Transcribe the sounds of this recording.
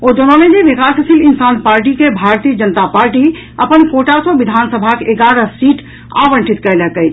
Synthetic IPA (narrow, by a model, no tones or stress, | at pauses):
od̪onɔned͡ʒeʋikasəsʰilinsanpaɾʈikebʱaɾt̪ijəd͡ʒənət̪apaɾʈi | əpənkoʈasɔbid̪ʱansəbʱakeʔeɡaɾəsiʈ | a̰ʋəɳʈʰit̪kɛlɛkəjt͡ʃʰ